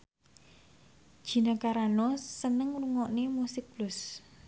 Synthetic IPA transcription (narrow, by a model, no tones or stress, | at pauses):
d̥ʒ̥i̤nakaɾanɔsənəŋruŋɔʔnemusɪk̚b̥lʊs